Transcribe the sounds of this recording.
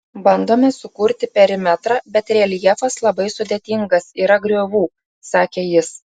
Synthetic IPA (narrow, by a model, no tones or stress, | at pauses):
bɐnd̪oːmʲɛsʊkʊɾʲt̪ʲɪpʲɛɾʲɪmʲɛt̪ɾɑːbʲɛt̪ɾʲeːlʲjiɛfɐslˠɐbɐɪsʊd̪ʲeːt̪ʲɪŋɡɐsiːɾɐɡɾʲoːʋuː | sɑːkʲeːjɪs